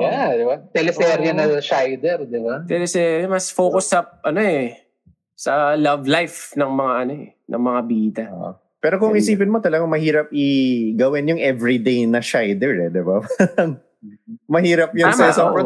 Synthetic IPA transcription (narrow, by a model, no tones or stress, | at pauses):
jad̪ɪbat̪ɛlɛsɛɾjɐnɐʃajd̪ɛɾd̪ɪbat̪ɛlɛsɛmɐsfoːkʊsːɐp̚ʔɐno̞ɛ | sɐlɐvlajfnɐŋmɐŋaʔɐno̞ɛ̰ | nʔɐ̰ŋmɐŋabiːt̪ɐ̰ʔ | pɛːɾo̞kʊŋɪsiːpɪnmot̪ɐlɐɡaŋmɐhiːɾɐp̚ʔɪɡɐwɪnjʊŋʔɛvɹid̪ejnɐʃajd̪ɛɹɛd̪ɪbapɐɾɐŋ | mɐhiːɾɐp̚jʊŋmɐɪsɐ